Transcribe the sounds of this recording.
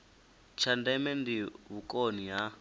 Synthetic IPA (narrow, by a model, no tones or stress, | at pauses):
t͡ʃʰandɛmɛndiβukʼoniɦa